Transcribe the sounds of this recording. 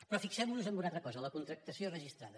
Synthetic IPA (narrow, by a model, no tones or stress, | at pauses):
pɾɔfiksɛmnuzəmbunat̪ɾəkɔzələkunt̪ɾək̚t̪əsiorəʒist̪ɾaðə